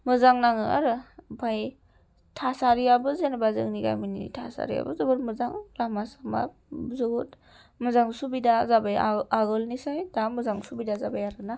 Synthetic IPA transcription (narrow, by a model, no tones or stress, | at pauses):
mɯzaŋnaŋɯa̰ɾɯbʰaj | tʰasaɾijabɯzenabazɯ̰ŋniɡa̰jminitʰa̰sa̰ɾḭja̰bɯzɯbɯɾmɯzaŋɾamasama̰ | zɯɡut | mɯzaŋsubidazabajaɡɯlnisajdamɯzaŋsubidazabajaɾɯna